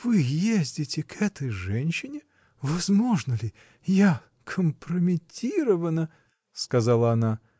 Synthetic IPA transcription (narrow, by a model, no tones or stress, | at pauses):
vɨjezʲdʲɪtʲɪkʰɛt̪əjʐɛnʲɕːɪnʲɪ | vɐzmo̞ʐnəlʲɪ | ja | kʰəmpɾəmʲɪtʲiɾəvənə | skɐzalˠəɐna